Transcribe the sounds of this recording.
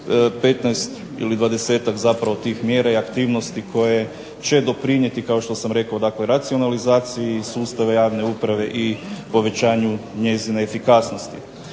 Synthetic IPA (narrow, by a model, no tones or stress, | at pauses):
pet̪najst̪ | ḭlid̪ʋad̪e̞se̞ːt̪akzapɾaʋo̞t̪iːxmjeːɾaiakt̪iːʋnost̪ikʰo̞je̞ | t͡ɕe̞d̪o̞pɾiɲje̞t̪ikao̞ʃt̪o̞samɾe̞kao̞d̪akle̞ɾat̪sio̞nalizaːt̪sijisuːst̪aʋejaːʋne̞upɾaʋe̞ʔipo̞ʋe̞t͡ɕaːɲuɲe̞zineːfikasno̞st̪i